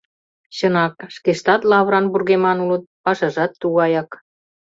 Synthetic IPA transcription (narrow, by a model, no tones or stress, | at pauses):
ɕə̆nɑkʃkeʃt̪ɑt̪lɑβɾɑnburɣemɑnulɤ̆t̪̚pɑʃɑʒɑt̪ːuɣɑjɑk